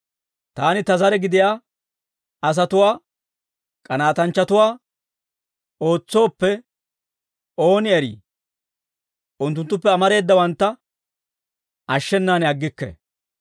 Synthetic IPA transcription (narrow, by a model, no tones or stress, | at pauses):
t̪aːnɪt̪ɐzɐɾɛɡɪd̪ɪjaː | ɐs̬ɐt̪ʊwaː | kʼɐnaːt̪ɐnt͡ʃːɐt̪ʊwaː | o̞ːt͡sːo̞ːpːɛ | ʔo̞ːnɪɛɾḭː | ʔʊnt̪ːʊnt̪ːʊpːɛɐmɐɾe̞ːd̪ːɐwɐnt̪ːɐ | ʔɐʃːɛnːaːnɛɐɡːɪkːɛ̰